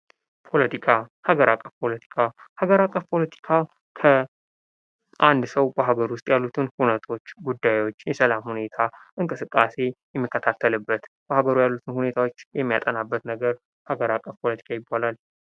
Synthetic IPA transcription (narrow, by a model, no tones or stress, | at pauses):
pʰo̞lət̪ʰikʰahaɡəɾakʼːəfpʰo̞lət̪ʰi̥kʰahaɡəɾakʼːəfpʰo̞lət̪ʰi̥kʰa | kʰə | ʔand̪səwbəɦaɡəɾwʊst̪ʼjalːut̪ʰɨnhunət̪ʰo̞t͡ʃːɡud̪ːajwo̞t͡ʃːjɛsəlamhune̞t̪ʰaʔɨŋkʼɨsɨkʼːase̞jɛmːikʰːət̪ʰat̪ʰːəlɨbːət̪b̥əhaɡəɾujalːut̪ʰɨnhune̞t̪ʰawot͡ʃːjɛmːija̰t̪ʼənabːət̪nəɡəɾ | haɡəɾakʼːəfpʰo̞lət̪ʰi̥kʰajɪbːalal